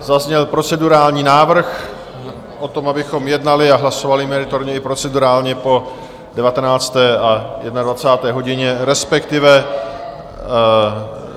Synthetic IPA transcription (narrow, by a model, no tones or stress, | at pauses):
zazɲɛlpɾo̞t͡sɛduɾaːlɲiːnaːvr̩x | ʔo̞t̪o̞mabɪxo̞mjɛdnalɪaɦlaso̞valɪmɛɾɪt̪oɾɲɛɪpɾo̞t͡sɛduɾaːlɲɛpo̞ | dɛvat̪ɛnaːt͡st̪ɛːʔajɛdnadvat͡saːt̪ɛːɦo̞ɟɪɲɛɾɛspɛkt̪ɪvɛ